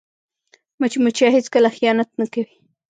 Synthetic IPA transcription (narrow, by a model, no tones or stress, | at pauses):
mat͡ʃimʊt͡ʃaɦet͡skəlaxijɑnat̪̚nakawi